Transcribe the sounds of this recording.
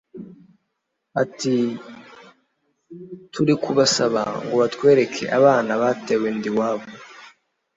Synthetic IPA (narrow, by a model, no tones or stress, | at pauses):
ati | tuɾikʰuβasaβa̰ŋɡoβatkwe̞ːɾe̞kʰe̞̰ʔaβaːnaβatewendiwaːβo